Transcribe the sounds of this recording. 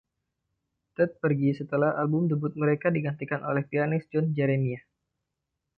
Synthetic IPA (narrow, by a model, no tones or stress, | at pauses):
t̪ət̪̚pərɡisət̪əlahalbʊmd̪əbʊt̪̚məɾekadiɡant̪ikanʔolɛhpianɪsd͡ʒɔnd͡ʒɛɾenia